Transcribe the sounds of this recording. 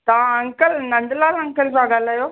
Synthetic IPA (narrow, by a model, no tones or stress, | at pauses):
t̪aãɐ̃ŋkəlnɐ̃ɳɖlaːlɐ̃ŋkəlsãɡaːlaːjoː